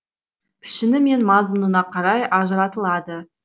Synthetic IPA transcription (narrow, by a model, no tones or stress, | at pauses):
pʰɪ̥ʃɪnɪme̞nmɑzmənənɑqʰɑɾɑjʔɑʒəɾɑt̪əlˠɑd̪ə